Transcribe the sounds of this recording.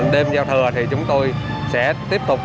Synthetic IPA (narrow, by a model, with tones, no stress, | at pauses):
ɗe˧mzaː˧wt̪ʰəː˨˩t̪ʰi˨˩t͡ɕʊ˨˦ŋ͡mt̪o˧j | sɛ̰˧˥t̪i˦˥əp̚t̪ʊ˨˩k͡p̚